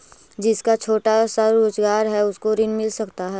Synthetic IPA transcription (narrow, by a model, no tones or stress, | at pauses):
d͡ʒɪskat͡ʃʰoːʈasəɾoːd͡ʒɡaːɾɦɛʊskoɾɪnmɪlsɐkt̪aɦɛː